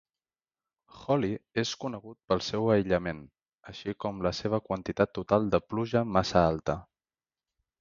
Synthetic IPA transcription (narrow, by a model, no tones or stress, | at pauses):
xɔlieskunəɣ̞ut̪̚pəlˠsɛwəjʎəmen | əʃikɔmləseβ̞əkwənt̪it̪at̪ːut̪alˠd̪əpluʒəmasəalˠt̪ə